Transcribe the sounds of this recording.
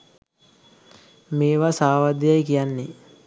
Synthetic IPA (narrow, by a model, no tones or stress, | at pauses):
meːʋasaːʋad̪jajkijanːe